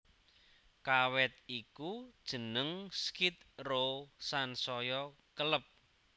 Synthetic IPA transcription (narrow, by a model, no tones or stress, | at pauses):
kawɛt̪̚ikud̥ʒ̥ə̤nəŋskit̪̚rosansɔjɔ | kələp̚